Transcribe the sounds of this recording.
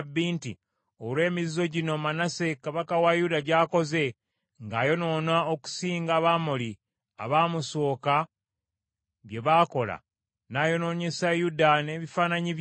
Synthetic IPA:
bːiːnti | olwe̞ːmizizo̞ɟino̞manase̞kaβakawajudaɟaːko̞ze̞ | ŋɡaːjo̞no̞ːnaoku̥siːŋɡaβamoli | a̰βaːmuso̞ːka | βje̞βaːko̞la̰ | naːjo̞no̞ɲe̞sajudane̞ːβifaːnaɲiβ

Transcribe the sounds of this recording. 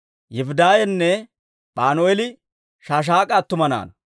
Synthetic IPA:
jɛfʊd̪aːjɛnːɛ | ɓaːnoɛlɪ | ʃaːʃ̬aːkʼɐːt̪ːʊmɐna̰ːnɐ

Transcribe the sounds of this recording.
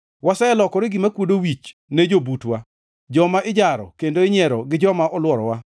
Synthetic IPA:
wasɛɛlɔkɔɾɪɡɪmakwodowit͡ʃned͡ʒobutwa | d͡ʒɔmaʔɪd͡ʒaɾɔ̰kendoɪɲɛɾɔɡɪd͡ʒɔmaʔɔlwɔɾɔ̰wa

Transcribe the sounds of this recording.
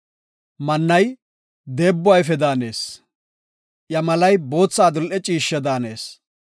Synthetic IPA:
mɐnːɐj | d̪e̞ːbːʊwɐjfɛd̪aːne̞ːs | ʔjɐmɐlɐjbo̞ːt͡sːaːd̪ʊlʔɛt͡ʃʼiːʃːɐd̪aːneːs

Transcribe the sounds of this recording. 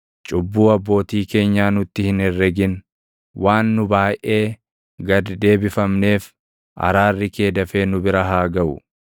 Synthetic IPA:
t͡ʃʼʊbːuːɐbːo̞ːt̪iːke̞ːɲːaːnʊt̪ːɪhɪnɛrːɛɡɪn | waːnːʊbaːjʔʔe̞ː | ɡɐd̪d̪e̞ːbɪfɐmne̞ːf | ʔɐ̰ɾaːrːɪke̞ːd̪ɐfe̞ːnʊbɪɾɐɦaːɡɐʔʊ̰

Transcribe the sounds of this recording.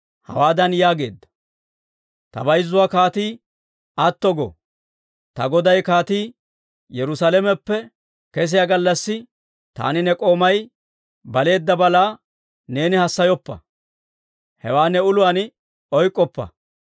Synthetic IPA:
hɐ̰waːd̪ɐnjaːɡe̞̰ːd̪ːɐ̥ | t̪ɐ̰bɐjzːʊwaːkaːt̪iː | ɐt̪ːɔɡɔ̰ | t̪ɐɡɔd̪ɐjkaːt̪iː | jɛɾʊsalɛmɛpːɛ | kɛs̬ɪjaɡɐlːɐsːɪ | t̪a̰ːnɪnɛkʼo̞ːmɐj | bɐle̞ːd̪ːɐbɐlaː | ne̞ːnɪhɐsːɐjɔpːɐ̰ | hɛwaːnɛʊlʊwan | ɔjkʼːɔpːɐ̰

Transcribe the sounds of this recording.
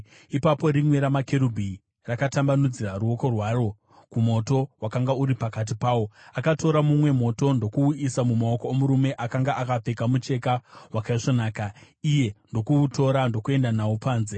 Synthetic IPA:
ipapo̞ɾimwe̞ɾamakeɾubʱi | rakatambanud͡ziraɾuo̞ko̞rwaːro̞ | kumo̞to̞wakaŋɡauɾipakat̬ipaːwo̞akatʰo̞ɾamumwe̞mo̞to̞ndo̞kuisamumao̞koomuɾume̞ʔakaŋɡaakap͡fe̞kamut͡ʃe̞kawakaiʐonaːka | ije̞ndo̞kuuto̞ɾando̞kue̞ndanaupaːnze

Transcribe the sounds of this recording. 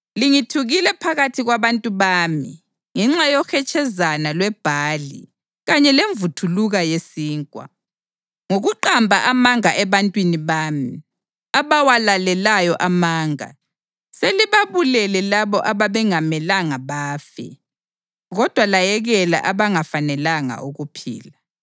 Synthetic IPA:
liŋitʰuɣilɛpʰaɣatʰiɣwaβantʼuβaːmḭ | ŋɛŋ͡ǁajɔxɛt͡ʃʼɛzanalwɛb̥ʱaːlḭ | ɣaɲɛleɱvutʰuluɣajesiːŋkʼwa̰ | ŋoɣuǃambʱaʔamaŋaʔɛβantʼwiniβaːmi | aβawalalɛlajɔʔamaːŋa̰ | seliβaβulɛlɛlaβɔʔaβaβɛŋamɛlaŋaβaːfɛ̰ | ɣɔd̥ʱwalajɛɣɛla̰ʔaβaŋafanɛlaŋa̰ʔuɣupʰḭːla

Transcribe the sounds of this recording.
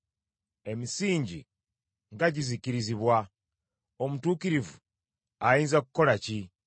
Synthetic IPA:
e̞misiːɲɟḭ | ŋɡaɟiziciɾiziβwa | omutuːkiɾivu | ajiːnzaku̥ko̞laci

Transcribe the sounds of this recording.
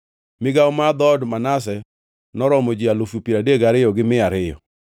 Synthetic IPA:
mɪɡaɔmad̪ɔdmanas̬ɛ | nɔɾɔmɔd͡ʒialofjopiɾadeɡaɾɪjɔɡɪmɪaɾɪjɔ̰

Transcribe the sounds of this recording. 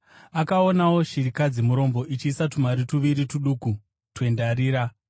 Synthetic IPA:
akao̞nawo̞ʃiɾikad͡zimuɾo̞mbo̞ʔit͡ʃiːsatumaɾituʋiɾituɗuku | twe̞ndaɾiːɾa

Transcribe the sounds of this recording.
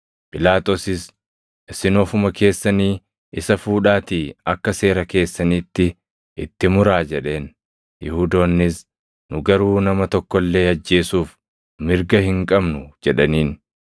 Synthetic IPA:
pʼɪlaːt̪ʼoːsɪs | ʔɪsːɪnoːfʊmɐke̞ːsːɐniː | ɪsɐfuːᶑaːt̪iːɐkːɐse̞ːɾɐke̞ːsːɐniːt̪ːɪ | ʔɪt̪ːɪmʊɾaːd͡ʒɛᶑe̞ːn | jɪhuːd̪o̞ːnːɪs | nʊɡɐɾuːnɐmɐt̪ɔkːɔlːe̞ːɐd͡ʒːe̞ːsuːf | mɪɾɡɐhɪŋkʼɐbnʊd͡ʒɛᶑɐniːn

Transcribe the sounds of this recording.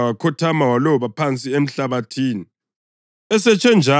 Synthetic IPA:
wakʰɔtʰamawalɔβapʰant͡sʼiem̩ɬaβatʰiːni | ɛsɛt͡ʃʰʼɛnd͡ʒʱa

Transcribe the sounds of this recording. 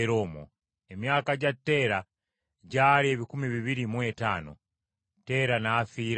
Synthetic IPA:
ɾoːmo̰ | emjaːkaɟatːe̞ːɾa | ɟaːɾie̞βikumiβiβiɾimwe̞ta̰ːno̰ | te̞ːɾanafiːɾ

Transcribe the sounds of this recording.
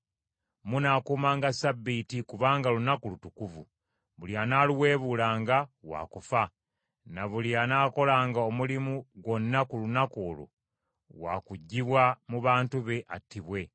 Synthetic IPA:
munakuːmaːŋɡasabːitikuβaːŋɡalunakulutukuvṵ | βuljanaːluwe̞ːβuːlaːŋɡawa̰ːkufa | naβuljanaːko̞laːŋɡao̞mulimuɡo̞nːakulunako̞ːlṵ | wa̰kuɟːiβwamuβaːntuβe̞ʔatːiβwe̞

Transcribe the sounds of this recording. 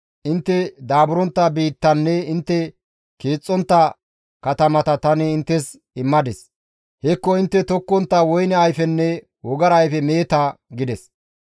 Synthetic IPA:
ʔɪnt̪ːɛd̪aːbʊɾɔnt̪ːɐbiːt̪ːɐnːɛɪnt̪ːɛ | keːt͡sʼːɔnt̪ːɐ | kɐt̪ɐmɐt̪ɐt̪ɐnɪɪnt̪ːɛs | ɪmːɐd̪ɛs | hɛkːɔɪnt̪ːɛt̪ɔkːɔnt̪ːɐwɔjnɛɐjfɛnːɛ | wɔɡɐɾːjfɛme̞ːt̪ɐɡɪd̪ɛs

